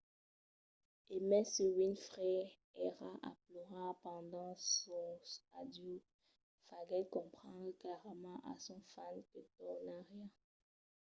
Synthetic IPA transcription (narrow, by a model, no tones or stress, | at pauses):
emɛ̃səwinfʁɛ | ɛʁaʔa̰plɔʁapɑ̃d̪ɑ̃sɔ̃stad̪jo | faɡɛlkɔ̃pχɑ̃d̪ʁklɛʁmɑ̃ʔa̰sɔ̃fankət̪ɔnaʁjɛ̃